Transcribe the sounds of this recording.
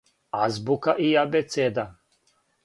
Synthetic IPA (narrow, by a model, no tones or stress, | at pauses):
azbukaʔiabɛt̪sɛd̪a